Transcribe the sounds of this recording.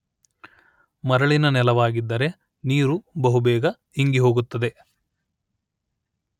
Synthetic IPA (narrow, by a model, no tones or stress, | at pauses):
mɐɾɐɭinɐnɛlɐʋaːɡid̪ːɐɾe̞ | niːɾubɐɦubɛːɡɐ | iŋɡiɦo̞ːɡut̪ːɐd̪e